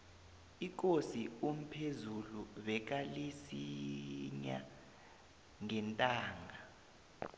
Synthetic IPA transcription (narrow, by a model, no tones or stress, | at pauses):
ik̬ʼosium̩pʰezuluβɛk̬alisiɲa̰ | ŋɛntʼaːŋɡʱa